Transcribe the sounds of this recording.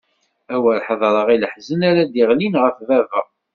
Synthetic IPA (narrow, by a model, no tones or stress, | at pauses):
æwəɾħəðˤɾˤəʁiləħzənæɾæd̪iʁlinʁəfvævəʁ